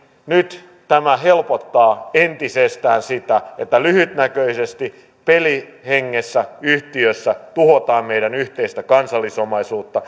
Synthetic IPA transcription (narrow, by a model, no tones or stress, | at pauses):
nyt̪ | t̪æmæhelpot̪ːɑːent̪isest̪æːnsit̪æet̪ːælyhyt̪nækøisest̪i | peliheŋːesːæyht̪iøsːæt̪uhot̪ɑːmmeijdænyht̪eist̪ækɑnsɑlːisomɑisuːt̪ːɑ